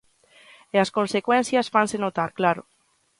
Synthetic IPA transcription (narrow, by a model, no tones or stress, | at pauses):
easkonsekwɛnsjasfansenot̪aɾklaɾo